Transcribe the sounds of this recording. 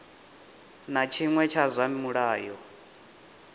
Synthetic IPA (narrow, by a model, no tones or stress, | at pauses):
nat͡ʃʰiŋwɛt͡ʃʰazʷamimuɺaːjɔ